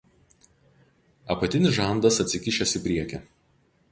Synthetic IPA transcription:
ɐpɐt̪ʲɪnʲɪsʒɑˑnd̪ɐsɐt̪ʲsʲɪkʲɪʃʲɛsʲɪˑpʲɾʲiɛkʲɛˑ

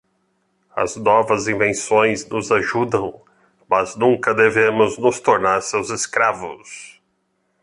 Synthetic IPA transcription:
ɐ̰znɔvɐzĩvẽsõj̃znʊzaʒud̪ɐ̃w̃ | mɐznũŋkɐd̪evẽmʊznʊst̪oɾnaɾsewzɪskɾavʊ̰s

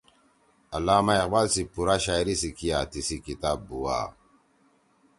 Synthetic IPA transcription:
alamajakbalsipuɾaʃajɾisikijatisikitabuwa̰

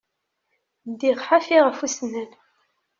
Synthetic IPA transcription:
d̪iʁħafiʁəfusnən

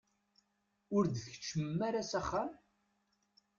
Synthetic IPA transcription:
ʊɾd̪θəçə̥t͡ʃːəmmːæɾasæχːam

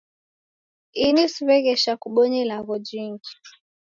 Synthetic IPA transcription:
inisuβɛɣɛʃakuɓɔɲilaɣɔd͡ʒiŋɡi̥

